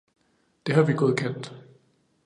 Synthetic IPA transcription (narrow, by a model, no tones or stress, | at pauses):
d̥e̝ɦɑ̈ʋiɡ̥ɔ̽ːð̞̩ˠkʰen̰d̥